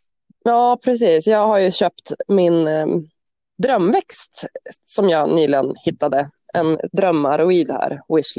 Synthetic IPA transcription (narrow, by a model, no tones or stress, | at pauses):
jɑːpʰɾɛs̬iːsjɑːɡhaɾjɵɕøːpt̪mɪn | d̪ɾœmːvɛkst̪sɔmjɑːnyːlɪɡənhɪt̪ːad̪ə | ɛnd̪ɾœmːaɾʊiːd̪hæ̰ːɾwɪsl